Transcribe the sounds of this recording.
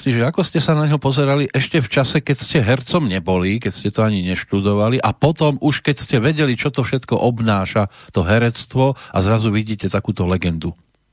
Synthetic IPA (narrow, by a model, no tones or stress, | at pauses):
iʒɛakɔscɛsanaɲɦɔpɔzɛɾaliʔɛʃcɛft͡ʃasɛkɛcscɛɦɛɾt͡sɔmɲɛbɔlik̬ɛcscɛt̪ɔaɲiɲɛʃt̪ud̪ɔʋaliʔapɔt̪ɔmuʃkɛcscɛʋɛɟɛlit͡ʃɔt̪ɔfʃɛt̪kɔʔɔbnaːʃat̪ɔɦɛɾɛt͡st̪ʋɔa̰zɾazuʋiɟiːcɛt̪akuːt̪ɔlɛɡɛnd̪u